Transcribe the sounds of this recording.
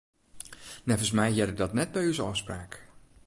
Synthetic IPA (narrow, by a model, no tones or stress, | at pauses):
nɛvəsmɛjɛdədɑtnɛt̚bɛjyzəɔfspraːk